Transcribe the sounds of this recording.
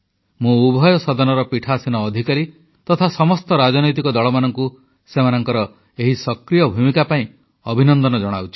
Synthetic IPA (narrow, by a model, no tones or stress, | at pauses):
mũubʱɔjɔsɔd̪ɔnɔɾɔpiʈʰaːsinɔːd̪ʱikaɾi | t̪ɔt̪ʰasɔmɔst̪ɔɾad͡ʒɔnɔjt̪̬ikɔd̪ɔɭɔmanɔŋku | semanɔŋkɔɾɔ | eɦisɔkɾijɔbʱumikapaĩ | ɔbʱinɔnd̪ɔnɔd͡ʒɔɽ̃awt͡ʃʰi̥